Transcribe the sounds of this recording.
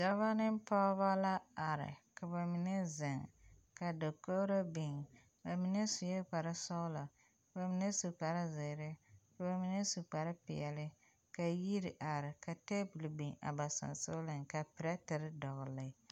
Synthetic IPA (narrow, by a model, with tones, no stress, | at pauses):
d͡ʒa˦va˦nɪ˦mpɔ˦βa˦la˦a˨ɾɪ̰˨ka˨ba˨mi˨ne˦zɪ˨ŋka˨do˨ko˦ɾo˦bi˨ŋ | ba˨mi˨ne˦su˨jɛ˦k͡pa˨ɾɪ˦sɔ˦la˨ | ka˨ba˨mi˨ne˦su˨k͡pa˨ɾɪ˦zɪ˨ɾɪ˦ka˨ba˨mi˨ne˦su˨k͡pa˨ɾɪ˦pɪ˨ɛ˨lɪ˦ | ka˨ji˦ɾɪ˨ʔa˨ɾɪ˨ka˨te˦bu˨lbi˨ŋa̰˨ba˨sa̰˨nso˦lɪ˨ŋka˨pɪ˨ɾa˦tɪ˨ɾɪ˦dɔ˨ɣʊ˨lɪ˨˦